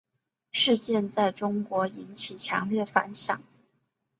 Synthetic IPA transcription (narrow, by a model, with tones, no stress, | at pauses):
ʂɻ̩˥˧t͡ɕjɛ˥˧nt͡sa˥˩ɪʈ͡ʂʊ˥ŋkwɔ˧˥i˧˥nt͡ɕʰi˨˩t͡ɕʰjɑ̰˧˥ŋljɛ˥˩fa̰˧˥nɕjɑ̰˨˩˦ŋ